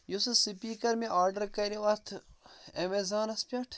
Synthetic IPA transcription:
jusɨsɨpiːkɐɾmeʔaːɾɖɐɾkɐɾiʋɐt̪ʰemezaːnɐspʲɐʈʰ

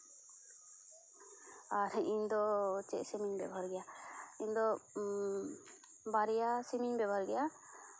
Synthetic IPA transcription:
aɾiɲd̪ɔt͡ʃɛʔsimiɲbɛ̰bʱaɾɡɛjaiɲd̪ɔ | baɾijasimiɲbɛbʱaɾɡɛja

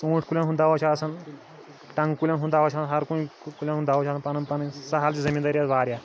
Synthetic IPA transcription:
sũːʈʰkulʲjãnɦũnd̪aːʋɐt͡ʃʰasɐn | ʈɐ̃ŋɡkulʲjanɦũnd̪aʋɐt͡ʃʰaɦɐɾkuikulʲanɦũnd̪aːʋot͡ʃʰaːsanpɐnɐnpɐnsɐɦalt͡ɕizɐmʲĩːnd̪aɾʲjat̪ʋaːɾja

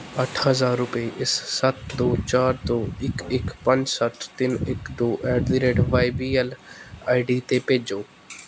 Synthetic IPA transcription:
əʈʰɦəzaːɾːʊpeʔɪssət̪̚d̪oːt͡ʃaːɾd̪oːɪkɪkpəɲd͡ʒsət̪ʰt̪ɪnɪkd̪oːʔɛːɖd̪iːɾeːɖʋaːɪbiːəlaːɪɖiːt̪eːpeːd͡ʒoː

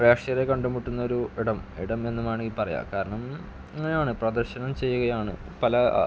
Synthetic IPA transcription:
reːkʂɐɐɾekɐɳɖumiʈːunːɐo̞ɾuiɽɐmḭɽɐme̞nːumaːɳipɐrɐja̰ːkaːɾɐɳɐm | eŋːejaːɳɨprɐd̪ɐrɕɐnɐmt͡ɕe̞jːuɣɐjaːɳɨ̰pɐlɐ

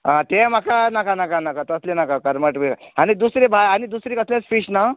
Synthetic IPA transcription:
ãt̪emakanakanakanakat̪əslenakakəɾməʈbeañid̪usɾebʱajañid̪usɾikəslẽt͡sfiʂna

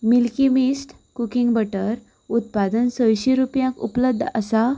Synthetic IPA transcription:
milkimisʈ | kukiŋɡbəʈəɾ | ut̪̚pad̪ənsəjɕiɾupjãkṵpləbd̪ʱəsa

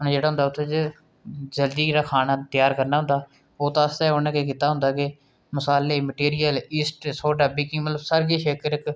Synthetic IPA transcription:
ʊñːd͡ʒeːɽaːɦʊ̃nd̪aʊt̪ʰːeːd͡ʒ | d͡ʒəld̪iːɾaːkʰaːnaːt̪jaːɾkəɾnaːɦʊ̃nd̪aː | oːt̪ãːst̪ẽːoːnẽːkeːkiːt̪aːɦʊ̃nd̪aːke | məsaːleːməʈiːɾijəlɪːsʈsoːɖəbiːkiːmət̪ləbsəɾɡeːʃeːkəɾɪk

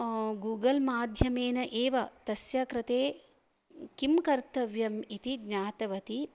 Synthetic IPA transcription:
ɡuːɡɐlmaːd̪ʱjɐmeːnɐʔeːʋɐt̪ɐsjɐkɾɐt̪eː | kimkɐɾt̪ɐʋjɐmit̪iɡɲaːt̪ɐʋɐt̪i

